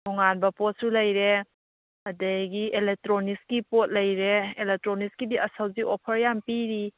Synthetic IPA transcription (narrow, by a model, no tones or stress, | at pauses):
dʰɔŋanbɐpot̚sulɐjɾe | ɐdejɡielek̚tɾoniskipot̚lɐjɾeelek̚tɾoniskibiɐsawziʔopʰɐɾjampiɾi